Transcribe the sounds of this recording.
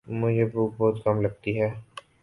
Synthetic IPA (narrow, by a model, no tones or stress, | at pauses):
mʊd͡ʒʱebuːk̚bɔːt̪kɐmlɐɡ̚t̪iɦɛː